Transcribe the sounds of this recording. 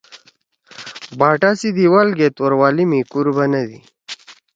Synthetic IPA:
baːʈasid̪iwalɡet̪wɐɾwaːlimikuɾbɐnɐd̪ḭ

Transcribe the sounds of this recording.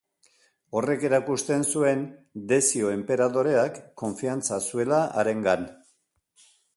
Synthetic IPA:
o̞re̞ke̞ɾakust̪e̞nsue̞nd̪e̞sio̞e̞mpe̞ɾaðo̞ɾe̞akːo̞ɱfiant͡sasue̞laʔaɾe̞ŋɡan

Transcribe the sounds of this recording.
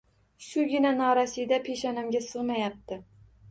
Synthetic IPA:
ʃʊɡʲɪnanɒɾasijd̪apʰeʃanɪmɡʲasɨʁmajap̚t̪ɪ

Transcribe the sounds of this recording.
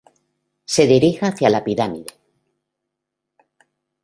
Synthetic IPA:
se̞ðiɾixaθjalapiɾamiðe

